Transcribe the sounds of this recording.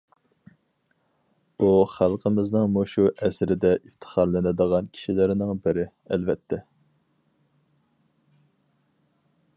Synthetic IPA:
uχælˠqʰəmɪznɨŋmuʃuʔɛsɾɪd̪ɛʔift̪ʰə̥χɑɾlˠɨnɨd̪əʁɑnkʲʰi̥ʃilɪɾnɪŋbɪɾɪ | ɛlvɛt̪ʰːɛ

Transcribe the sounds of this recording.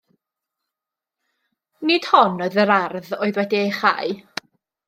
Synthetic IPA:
nɪd̥hɔnoːðəɾarðoːɨðwɛdiejχa̰ɨ

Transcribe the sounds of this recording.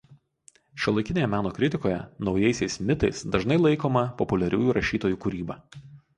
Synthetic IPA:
ʃʲulˠɐɪkʲɪnʲeːjɛmʲæːnoːkɾʲɪt̪ʲɪkoːjɛ̰nɒʊjɛɪsʲɛɪsmʲɪt̪ɐɪsd̪ɐʒnɐɪlˠɐɪkoːmɐpɔpʊlʲɛɾʲuːjuɾɐʃʲiːt̪oːjuːˑkʊɾʲiːbɐɑ

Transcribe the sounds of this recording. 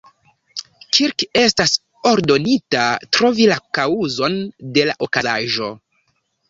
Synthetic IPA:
kʰiɾke̞stas | o̞ɾdo̞nitatɾo̞vilakauzo̞nde̞laʔo̞kazaʒo̞̰

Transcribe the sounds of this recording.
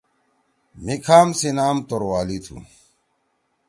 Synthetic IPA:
mikʰaːmsinaːmt̪oɾwaːlit̪ʰṵ

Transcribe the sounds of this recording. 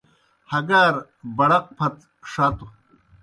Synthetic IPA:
hɐɡaːɾ | bɐɽɐq̚pʰɐt̪ | ʂaːt̪u

